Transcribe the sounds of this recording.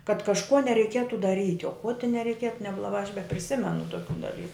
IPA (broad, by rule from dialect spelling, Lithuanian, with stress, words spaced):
kɐt kɐʃˈkuɔ nʲɛrʲɛɪˈkʲiɛtʊ dɐˈrʲiːtʲ oː koː tʲɪ nʲɛrʲɛɪˈkʲiɛtʊ nʲɛblˠɐˈbɑː ɐʃ bʲɛpʲrʲɪˈsʲɪmʲɛnʊ toːˈkʲuː dɐˈlʲiːkʊ